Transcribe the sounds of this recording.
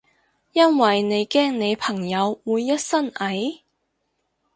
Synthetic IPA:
jɐ˥nwɐ˨jne˨˧jkɛː˥ŋne˨˧jpʰɐ˨˩ŋjɐ˨˧wːuː˨˧jːɐ˥t̚sɐ˥nʔɐ˨˥j

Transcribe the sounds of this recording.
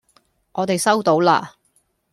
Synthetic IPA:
ŋɔː˨˧t̪e˨jsɐ˥wt̪o˨˥wla̰ː˧

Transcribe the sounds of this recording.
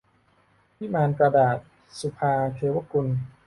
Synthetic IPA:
pʰi˦˥maː˧nkɾa˧daː˨˩t̪̚ | su˨˧˩pʰaː˧k̪ʰeː˧wa˦˥˨ku˧n

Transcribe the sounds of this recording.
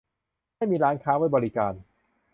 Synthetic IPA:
a˥˩jmiː˧ɾaː˦˥nkʰaː˦˥wa˦˥˩bɔː˧ɾi˦˥kaː˧n

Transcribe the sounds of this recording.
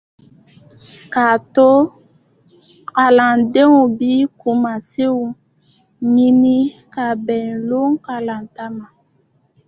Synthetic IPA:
ka˨to˦ | ka˨la˨nde˦ŋo˨bi˦ku˨ma˨se˦wu˨ | ɲi˦ni˦ka˨bɛ˨n˨lo˦ŋ˦ka˨la˨n˨ta˦ma˨

